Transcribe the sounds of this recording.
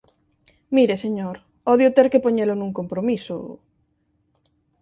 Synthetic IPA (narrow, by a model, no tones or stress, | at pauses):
miɾeseɲoɾ | ɔðjot̪eɾkepoɲelonũŋkompɾomisʊ̰